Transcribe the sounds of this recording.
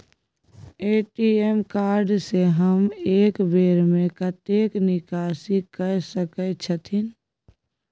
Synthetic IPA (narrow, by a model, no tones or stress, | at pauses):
eːʈiemkaːɾɖseɦəmeːkbeːɾmẽkət̪eːknɪkaːsikəsəkət͡ʃʰət̪ʰin